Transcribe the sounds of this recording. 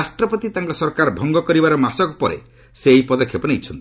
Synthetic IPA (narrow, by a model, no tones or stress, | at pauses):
asʈɾɔpɔt̪it̪aŋkɔsɔɾkaɾbʱɔŋɡɔkɔɾibaɾɔmasɔkɔpɔɾḛ | sejpɔd̪ɔkʰːjɔpɔniit͡ʃʰɔnt̪i